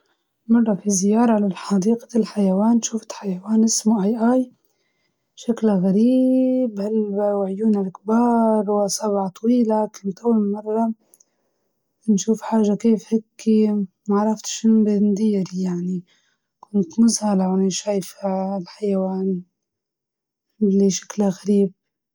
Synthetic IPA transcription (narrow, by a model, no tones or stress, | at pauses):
mɑrˤːɑfizɪjɑːɾˤɑʕalalħɑd̪iːqḁlħajawaːnːʃuːfɪ̥t̪ħajawaːnʔɪsmuʔajʔaːj | ʃaklaɣaɾiːbhalwaʕjuːnalkbɑːɾˤwasɑbʕɑt̪ˤɑwiːlakant̪ʔawːalmɪmɑrˤːɑ | nʃuːfħaːʒːakeːfhekːi | maʕɾˤɑft̪ʃɪnbɪnd̪iːɾjaʕni | kʊnt̪mʊzhalawnʃaːjflħajawaːn | liʃḁklaɣaɾiːb̚